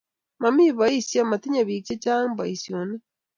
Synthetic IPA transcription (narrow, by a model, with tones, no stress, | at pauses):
ma˨mi˦βa˨i˦sja˦ma˨ti˦ɲa˨βi˨kt͡ʃe˦t͡ʃa˦m˦ba˨i˨sjo˨ne˦